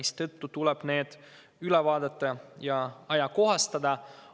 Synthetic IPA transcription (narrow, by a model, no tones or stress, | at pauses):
ist̪ɤt̪ːut̪ulɛb̥ne̞ːd̪̥ | ylɛvɑːd̪̥ɑt̪ːˑɑjɑɑjɑko̞ɦɑst̪ɑd̪̥ɑ